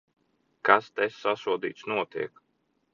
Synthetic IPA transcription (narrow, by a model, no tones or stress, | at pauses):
kast̪ɛsːasuɔd̪ḭːt̪snuɔt̪ḭɛk